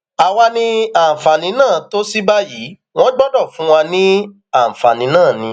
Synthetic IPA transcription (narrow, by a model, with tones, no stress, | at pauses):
a˨w̃a˧nĩ˧a˨fa˨nĩ˨˦nãː˦˨to˦si˦ba˦ji˨˦ | w̃ɔ̃˦ɡ͡bɔ˦dɔ˦˨fũ˨˦w̃ã˧nĩ˦ | a˦˨fa˨nĩ˨˦nãː˦˨nĩ˧